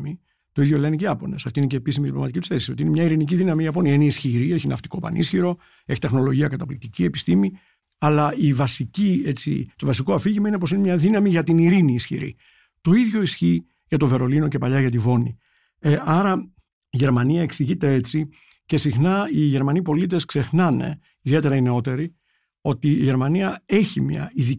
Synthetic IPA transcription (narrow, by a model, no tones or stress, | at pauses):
mi | t̪oiðʝo̞leniceiɐpo̞̰ne̞sɐft̪iineceːpisimit̪ipɾlomɐt̪icit̪u̥sθe̞sisio̞t̪iinemɲɐiɾinic̬iðinɐmiʝɐp̬o̞niɐineisçiɾie̞çinɐft̪i̥ko̞pɐ̰nḭsçiɾo̞ | e̞çi̥t̪e̞xno̞lo̞ʝiɐkɐt̪ɐplik̚t̪icie̞pi̥st̪imi | ɐlɐivɐsicie̞t͡sḭt̪o̞vɐsiko̞ɐfiʝimɐine̞posine̞mɲɐðinɐmiʝɐt̪iniɾiniːsçḭɾḭ | t̪o̞iðʝo̞isçi | ʝɐt̪o̞ve̞ɾo̞lino̞ce̞pɐʎɐʝɐt̪ivo̞nḭ | ɐɾɐ | iʝe̞ɾmɐniɐe̞ksiʝit̪e̞e̞t͡si | ce̞sixnɐiʝe̞ɾmɐnipo̞lit̪̬e̞skse̞xnɐne̞̰ | iðie̞t̪e̞ɾɐine̞o̞t̪e̞ɾi | o̞t̪iːʝe̞ɾmɐniɐe̞çimɐ̰iði